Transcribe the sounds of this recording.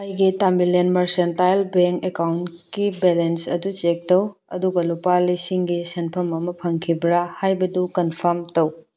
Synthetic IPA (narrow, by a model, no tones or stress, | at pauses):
ɐjɡitambilenmɐɾsentajlbeŋkekawnt | kibelensɐ̰dut͡ʃek̚tɐwɐ̰duɡɐlupalisiŋɡisenpʰɐmɐmɐpʰɐŋkʰibɾahajbɐdukɐnpʰɐɾmtɐw